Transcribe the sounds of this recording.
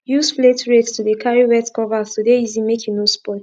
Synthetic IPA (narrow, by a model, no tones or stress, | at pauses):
jusfletɹetstudekʰaɹiwɛtkɔvastudeizimekʰjunospɔt